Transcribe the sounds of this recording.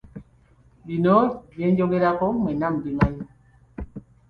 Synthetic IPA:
binɔbɛnd͡ʒokeɾakɔmɛnambiŋaɲi

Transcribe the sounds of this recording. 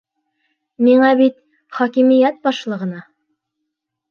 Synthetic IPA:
miɴɑbit̪ | χɒkimijæt̪̚bɒʃlˠɤ̆ʁɤ̆nɑ

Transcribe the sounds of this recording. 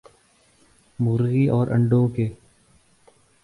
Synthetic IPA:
mʊɣɾɣiʔɔːɾʔə̰̃ɳɖõːkeː

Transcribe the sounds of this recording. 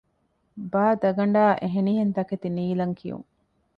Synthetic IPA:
baːd̪ɐɡɐɳɖaːʔeɦeniɦent̪ɐket̪iniːlɐŋkʰijṵŋ

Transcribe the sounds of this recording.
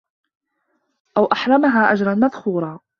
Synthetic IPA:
ʔawʔaħɾˤɑmaɦaːʔad͡ʒɾˤɑnmaðxuːɾˤɑː

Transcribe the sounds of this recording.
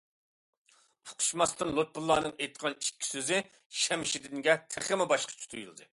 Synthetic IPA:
ʊqʰʊ̥ʃmɑst̪ɨnlˠot̪̚bulˠːɑːnɨŋejt̪qʰɑnikʲːi̥søzɪ | ʃɛmɪʃid̪ɪŋɡʲɛt̪ʰɪχɪmɪbɑʃqʰɑ̥t͡ʃʰu̥t̪ʰujulˠd̪ɨ

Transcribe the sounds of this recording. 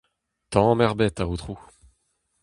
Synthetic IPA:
t̪ɑ̃mɛʁbɛt̪aot̪χu

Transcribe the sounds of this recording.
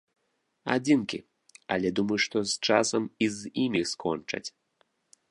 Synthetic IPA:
a̰d͡zʲinkʲi | ɐlʲɛd̪umɐjʂt̪ɔst͡ʂasɐmizimʲiskɔnt͡ʂɐ̰t͡sʲ

